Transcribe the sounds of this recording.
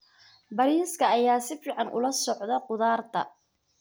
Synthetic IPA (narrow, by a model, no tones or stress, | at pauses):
bɐɾiːskʰɐːjaːsɪfiːʕɑnʔʊ̰lɐsɔʕðɐqʊðaːrt̪ʰɐ̰